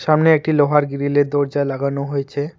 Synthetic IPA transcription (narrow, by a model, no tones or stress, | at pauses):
ʃamneek̚ʈiloɦaɾɡiɾiled̪ɔɾd͡ʑalaɡanoɦojet͡ɕʰe